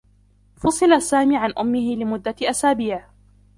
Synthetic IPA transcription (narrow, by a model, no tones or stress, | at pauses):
fɑsˤɨlasaːmiːʕanʔʊmːɪhɪlɪmʊd̪ːaʔasaːbiːʕ